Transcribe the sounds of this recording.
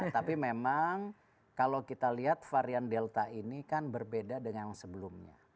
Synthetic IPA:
t̪apimemaŋ | kalowkit̪aliɦat̪̚faɾiandelt̪ainikanbərbedadəŋansəbəlumɲa̰

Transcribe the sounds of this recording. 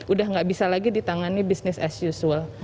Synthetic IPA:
ʔudahŋɡaʔbisalaɡidit̪aŋanibisnɪsa̰sjusuəl

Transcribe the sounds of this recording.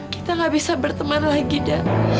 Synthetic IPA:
ki̥t̪aŋɡabisabərt̪əmanlaɡida

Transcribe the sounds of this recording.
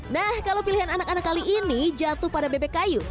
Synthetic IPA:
nahkalawpiliɦananakanakːaliʔinid͡ʒat̪ʊhpadabebekaju

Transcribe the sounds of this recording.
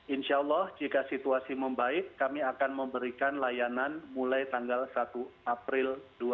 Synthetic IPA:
ʔɪnʃalːɔhd͡ʒikasit̪uasiməmbaɪkːamiakanməmbəɾikanlajananmulajt̪aŋɡalsat̪uʔapɾɪldua

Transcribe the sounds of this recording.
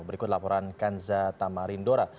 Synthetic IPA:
bəɾikʊt̪lapɔɾankanzat̪amaɾindoɾa

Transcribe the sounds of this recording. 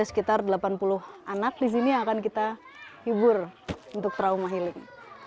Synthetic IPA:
ɛsə̥kit̪ardəlapanpulʊhanat̪̚dis̬iniakankit̪a | hibʊrunt̪ʊk̚t̪ɾaumaɦilɪŋ

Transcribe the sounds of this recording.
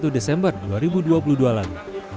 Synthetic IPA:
t̪udesɛmbərduaɾibuduapuludualalu

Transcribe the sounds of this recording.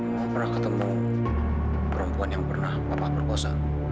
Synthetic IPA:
pərnahkət̪əmu | pəɾəmpuanjaŋpərnahpapahbərkɔsa

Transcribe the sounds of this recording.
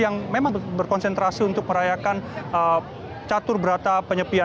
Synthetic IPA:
jaŋmemaŋbərkɔnsɛnt̪ɾasiunt̪ʊk̚məɾajakanə | t͡ʃat̪ʊrbəɾat̪apəɲəpia

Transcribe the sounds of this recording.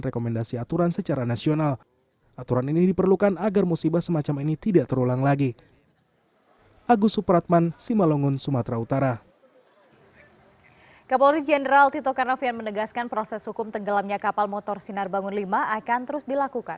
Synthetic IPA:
rekomɛndasiat̪uɾansət͡ʃaɾanasional | ʔat̪uɾaniniidipərlukanaɡarmusibasəmat͡ʃaminit̪idaʔt̪əɾulaŋlaɡi | ʔaɡusupɾat̪̚mansimaloŋʊnsumat̪ɾaut̪aɾa | kapalɾid͡ʒɛnəɾalt̪it̪ɔkanɔfjanmənəɡaskanpɾosɛshukʊmt̪əŋɡəlamɲakapalmot̪ɔrsinarbaŋʊnlimaʔakant̪əɾʊsdilakukan

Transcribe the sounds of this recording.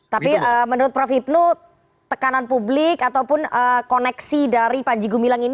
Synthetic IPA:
t̪apiəmənuɾʊt̪̚pɾafip̚no | t̪əkananpublɪkat̪awpʊnəkonɛksidaɾipaɲd͡ʒiɡumilaŋin

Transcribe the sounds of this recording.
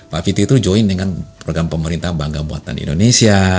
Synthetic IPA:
pafit̪it̪ud͡ʒoindəŋanpɾoɡɾampəməɾint̪ahbaŋɡabua̰t̪a̰ndḭḭndonesia

